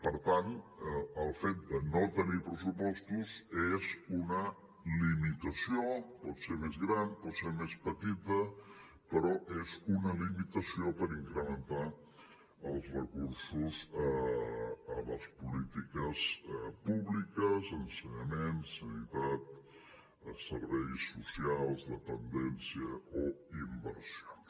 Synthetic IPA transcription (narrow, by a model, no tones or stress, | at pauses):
pəɾt̪anəəlˠfet̪̚d̪ənot̪ənipɾəsupɔst̪uzezunə | limit̪əsiopɔt̪seɾmezɣɾanpɔt̪seɾmespət̪it̪ə | pəɾɔʔezunəlimit̪əsiopəɾiŋkɾəmənt̪a | əlˠzrəkuɾsuzə | ələspulit̪ikəspuβlikəzənsəɲəmensːənit̪at̪̚ | səɾβɛjsːusialˠzðət̪ənd̪ɛnsiəoimbə̰ɾsio